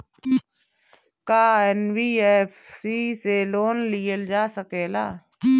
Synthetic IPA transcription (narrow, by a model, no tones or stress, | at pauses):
kaːɛnwiːɛfsiseloːnlijəld͡ʒaːsəkeːla̰ː